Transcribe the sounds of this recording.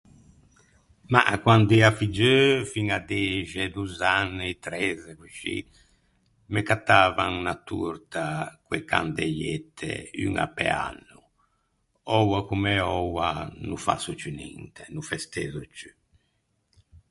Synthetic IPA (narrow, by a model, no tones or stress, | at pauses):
ma̰kwand̪ɛafid͡ʒøfiŋad̪ɛʒɛd̪uzanːɛt̪ɾɛzɛkut͡ʃːḭ | mɛkat̪ːaːvaŋnat̪ːṵɾt̪akwɛka̰nd̪ɛjɛt̪ʰːɛ̰yŋa̰pɛ̰a̰nːu | ɔwakumɛɔwanufa̰sut͡ʃynḭnt̪ʰɛnufɛst̪ɛzut͡ʃy